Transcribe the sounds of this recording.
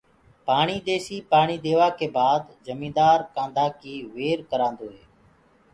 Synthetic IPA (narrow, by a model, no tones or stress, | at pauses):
paːɳiːd̪eːsiːpaːɳiːd̪eːʋaːkeːbaːd̪zəmĩːnd̪aːɾkãːnd̪ʱaːkiːʋeːɾkəɾãːnd̪oːɦeː